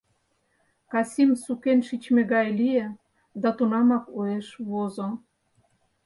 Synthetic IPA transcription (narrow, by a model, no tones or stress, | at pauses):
kɑsʲimsukenʃit͡ɕmĕɣɑjlijĕ | d̪ɑt̪unɑmɑkueʃβozo